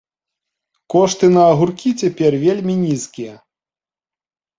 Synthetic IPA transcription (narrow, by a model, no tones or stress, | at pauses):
kɔʂt̪ɨnɐːɣurkʲit͡sʲapʲɛrvʲelʲmʲinʲiskʲijɐ